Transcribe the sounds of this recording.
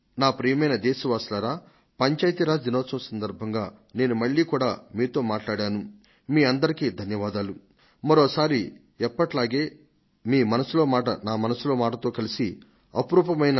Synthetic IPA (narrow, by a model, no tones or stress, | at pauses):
naːpɾijɐmɐjnɐd̪eːsiʋaːslaɾaː | pɐɲt͡ʃaːjt̪iɾaːd̪inɔːsɐmsɐnd̪ɐɾbʱɐŋɡaː | ne̞ːnumɐɭːiːkuːɽaːmiːt̪o̞ːmaːʈlaːɽaːnu | miːɐnd̪ɐɾikiːd̪ʱɐnjɐʋaːd̪aːlu | mɐɾoːsaːɾi | ɛpːɐʈlaːɡe̞ː | miːmɐnɐsulo̞ːmaːʈɐnaːmɐnɐsulo̞ːmaːʈɐt̪oːkɐlisi | ɐ̰pɾuːpɐmɐjnɐ